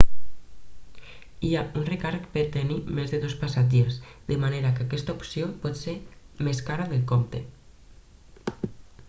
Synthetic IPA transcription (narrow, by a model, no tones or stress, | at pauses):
iaunrekaɾkpeɾt̪enimezðeðospasad͡ʒiezd̪emaneɾakeakɛst̪aopsjopɔt̪seɾmeskaɾaðelkomt̪e